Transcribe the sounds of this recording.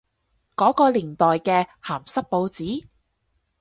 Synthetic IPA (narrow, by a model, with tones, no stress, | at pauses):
kɔː˨˥kɔː˧liː˨˩nt̪ɔː˨jkɛː˧haː˨˩msɐ˥k̚po˧wt͡siː˨˥